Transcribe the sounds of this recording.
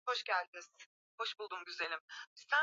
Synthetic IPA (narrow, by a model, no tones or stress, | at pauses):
ho̞ʃɟælʲd̪iiz̥ | ho̞ʃbulˠd̪umɟyze̞lʲimsæ